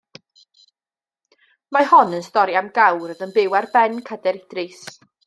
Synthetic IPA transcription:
mahɔnənstɔɾjamɡawrəðənbɪwɛrbɛnkʰədɛɾɪd̥rɨs

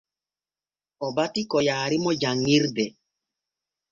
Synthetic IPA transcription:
ɔbatikɔjaːɾɪmɔd͡ʒaŋiɾdɛ

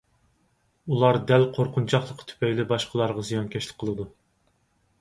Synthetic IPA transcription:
ulˠɑɾd̪ælqʰoɾqʰʊnt͡ʃʰɑχlˠəqt̪ʰy̥pʰɛjlɪbɑʃqʰəlˠɑɾʁɑzijɑnkʲʰɛʃlʲɪ̥k̚ʲqʰəlˠɨd̪u

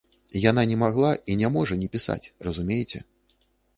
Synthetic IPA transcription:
jan̪anʲɛmaɣlˠaʔinʲamɔʐɐnʲɛpʲisa̰t͡sʲrɐzumʲejt͡sʲɛ̰

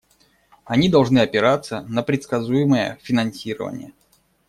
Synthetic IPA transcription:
ɐnʲid̪ɐlˠʐnɨɐpʲɪɾat̪sːənəpɾʲɪt̪skɐzujɪməjə̰fʲɪnɐnsʲiɾə̰və̰nʲɪ̰jə

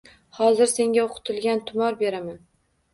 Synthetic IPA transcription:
hɒzɪɾse̞ŋɡʲaoqʰʊ̥t̪ʰɪlˠɡʲant̪ʰʊmɒɾbe̞ɾaman

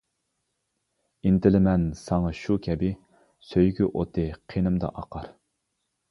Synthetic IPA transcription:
int̪ɪlɪmɛnsɑŋɑʃukʲʰɛbɪ | søjɡʲyʔot̪ʰɨqʰenɪmd̪ɑ̰ʔɑqʰɑɾ

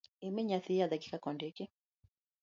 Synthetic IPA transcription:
ɛmɛɲaθiaðaki̥kakɔndɛkɛ

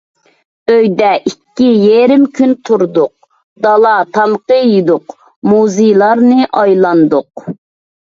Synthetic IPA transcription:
øjd̪ɛʔikʲːijeɾɪmkʲʰynt̪ʰuɾd̪ʊq̚ | d̪ɑlˠɑt̪ʰɑmqəjid̪ʊq | muzɪjlˠɑɾnɨʔɑjlˠɑnd̪ʊq̚

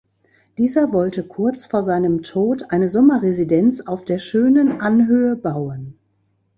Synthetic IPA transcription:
d̥iːzɐvɔltəkʰʊɐt͡sfoːɐzaɪnəmtʰoːtʔaɪnəzɔmɐʁezidɛnt͡saʊfd̥eːɐʃøːnənʔanɦøːəbaʊən

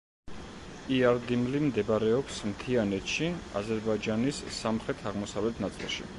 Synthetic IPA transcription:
iaɾd̪imlimd̪ɛbaɾɛɔpsmt̪ʰianɛt̪ʃia̰zɛɾbaid͡ʒanisːamχɾɛt̪ʰaʁmɔsavlɛt̪ʰnat̪sʼilˠʃḭ

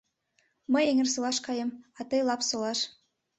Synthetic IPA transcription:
məjeŋĕrsɤlɑʃkɑjəmɑt̪ɤjlɑpsolɑʃ

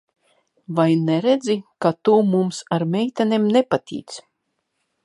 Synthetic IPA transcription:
vajnɛɾed̪zikat̪umumsaɾmɛjt̪anʲemnepat̪ʲḭːt̪s

